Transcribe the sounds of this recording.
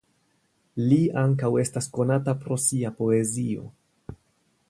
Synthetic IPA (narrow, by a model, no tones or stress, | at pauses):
liaŋk̬awe̞stasko̞natapɾo̞siapo̞e̞zio̞̰